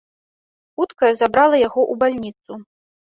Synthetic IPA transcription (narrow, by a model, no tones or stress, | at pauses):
xut̪kɐjɛzabɾalˠɐjaɣɔʔubalʲnʲit̪su